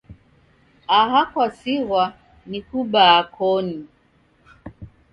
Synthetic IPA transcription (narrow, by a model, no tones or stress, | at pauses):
aɦakwasiɣwa | nikuɓaːkʰɔni